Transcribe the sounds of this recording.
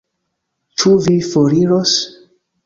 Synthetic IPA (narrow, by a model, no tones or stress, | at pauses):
t͡ʃuvifoɾiɾos